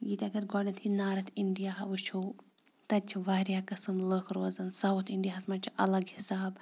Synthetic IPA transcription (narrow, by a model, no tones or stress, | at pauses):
ɡiːt̪ɐɡɐɾɡɔːɽɐnt̪ʰinaːɾɐt̪ʰiɳɖijaːɦɐʋut͡ʃʰu | t̪ɐt͡ʃʰiʋaːɾjaːkɐsɨmləkʰɾoːzɐnsɐwt̪ʰiɳɖijaːɦɐsmɐnt͡ʃʰiʔɐlɐɡhisaːb